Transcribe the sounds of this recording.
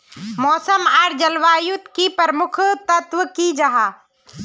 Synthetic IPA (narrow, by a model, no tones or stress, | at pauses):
mɔːsəmaːɾd͡ʒɐlʋaːjʊt̪kipəɾmʊkʰt̪ɐt̪ʋəkid͡ʒɐɦaː